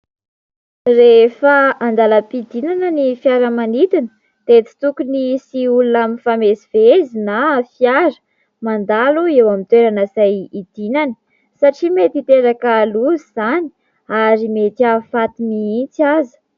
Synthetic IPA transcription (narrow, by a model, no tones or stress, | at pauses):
refəand̪aləpid̪inanənifjaɾəmanit̪inə̥ | d̪̥et͡si̥t̪ukunisiulunamifamesiv̥ezinafjaɾə̥ | mand̪aluewamint̪weɾanasajid̪̥inanə̥ | saʈ͡ʂimet̪it̪eɾakaluziz̥ani̥ | aɾimet̪iafat̪iniint͡sazə̥